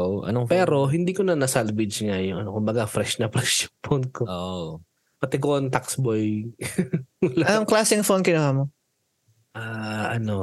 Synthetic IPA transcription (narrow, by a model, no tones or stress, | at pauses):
oʔɐ̰noŋpɛːɾo̞ɦɪnd̪iːkonɐnɐsalvɪd͡ʒŋajʊŋɐ̰nokʊmbɐɡafɾɛʃnɐfɾɛʃjʊŋfonkooʔo | pɐt̪ɛk̬oʔɐŋt̪aksboj | ɐlɐnoŋklaːsɪŋfonkɪnawamo | ʔaːʔɐno